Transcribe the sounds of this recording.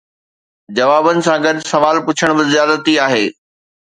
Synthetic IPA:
d͡ʑɐʋaːbənɪ̆sãɡɐd̪sɐʋaːlpʊt͡ɕʰəɽ̃bɪzɪjaːd̪ət̪iaːɦeː

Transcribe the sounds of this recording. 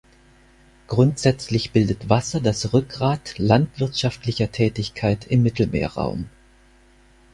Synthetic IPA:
ɡ̥ʁʊntz̥ɛt͡slɪçb̥ɪldətv̥asɐdasʁʏk̚ɡʁaːtlantv̥ɪɐtʃaftlɪçɐtʰɛːtɪçkʰaɪtɪmːɪtl̩mḛːɐʁa̰ʊm

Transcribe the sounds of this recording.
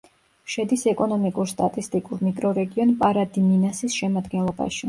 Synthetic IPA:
ʃɛd̪isɛkʼɔnɔmikʼuɾst̪ʼat̪ʼist̪ʼikʼuɾmikʼɾɔɾɛɡiɔnpʼaɾad̪iminasisʃɛmad̪ɡɛnlˠɔba̰ʃi

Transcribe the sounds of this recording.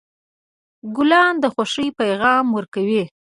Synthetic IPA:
ɡʊlɑnd̪əxaʂəjpajɣɑmwəɾkawi

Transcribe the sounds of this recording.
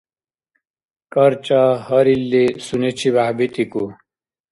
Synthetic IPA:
kɐɾt͡ɕahɐɾilːesunet͡ɕʰibaɦbit̪iku

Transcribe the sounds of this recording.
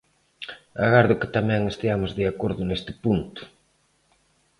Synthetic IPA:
aɣaɾðʊkɪ̥t̪amɛ̃ŋest̪iamʊzðeakoɾðʊnest̪ɪ̥punt̪ʊ̥

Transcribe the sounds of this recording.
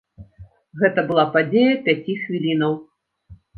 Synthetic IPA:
ɣɛt̪ɐbɨlˠapad͡zʲejɐpʲat͡sʲixvʲilʲinɐw

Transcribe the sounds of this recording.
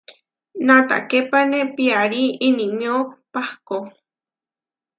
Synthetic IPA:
nãt̪a̰kepanẽpiaɾiinĩmĩõpahko

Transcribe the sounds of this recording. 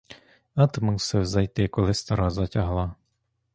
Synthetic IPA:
ɑt̪mɪwsɪwzɐjt̪ɪkɔlˠɪst̪ɔɾɑzɐtʲɐɦlˠɑ

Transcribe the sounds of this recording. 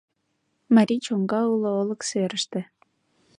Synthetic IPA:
maɾʲit͡ɕoŋɡɑulˠoolˠɤ̆kseɾə̆ʃt̪ɘ̆

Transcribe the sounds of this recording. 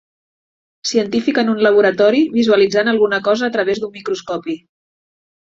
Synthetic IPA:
siənt̪ifikənunləβ̞uɾət̪ɔɾiβizuəlid͡zanəlˠɣunəkɔzəːt̪ɾəβ̞ezd̪ummikɾuskɔpi

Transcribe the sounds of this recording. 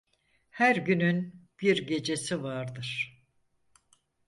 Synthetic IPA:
hæɾɟynynb̥iɾɟe̞d͡ʒe̞sivaɾd̪ɯɾ̥

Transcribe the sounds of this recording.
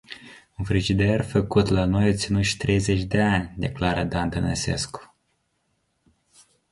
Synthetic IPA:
unfɾiʒid̪e̞rfəkut̪lano̞jot̪sinut̪ʃi̥t̪ɾe̞jze̞t͡ʃʲd̪e̞anʲd̪e̞̰klaɾəd̪and̪ənese̞̰sku̥

